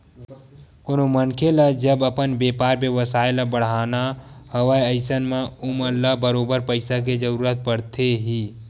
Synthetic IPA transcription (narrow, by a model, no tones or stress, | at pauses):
konomənkʰelad͡ʒəbəpənbeːpaːɾbeʋəsaːelabəɽ̤aːnahəʋajəɪsənmãʊməlːabəɾoːbəɾpəɪsak̬ed͡ʒəɾuːɾət̪̚pəɽt̪eɦiː